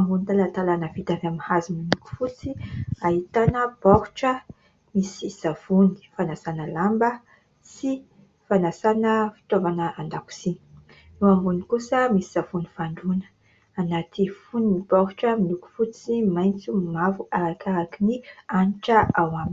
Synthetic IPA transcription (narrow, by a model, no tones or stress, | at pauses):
ambunit̪alant̪alanəvit̪avamihaziminuku̥fut͡siaɦit̪anəpɔɾuʈ͡ʂə | misiz̥av̥uni̥fanasanəlambə | si | fanasanəfi̥t̪ovanəʔand̪aku̥sini̥ | ewambunikusəmisi̥z̥avunifaɳɖ͡ʐunə̥ | anat̪ifuninipɔɾuʈ͡ʂəminuku̥fut͡simajnt͡sumavuaɾakaɾakinianʈ͡ʂəʔawamini̥